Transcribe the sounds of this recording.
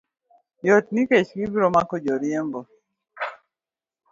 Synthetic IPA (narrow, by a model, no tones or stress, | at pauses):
jɔt̚niket͡ʃɡibiɾɔmakɔd͡ʒɔɾjemɡɔ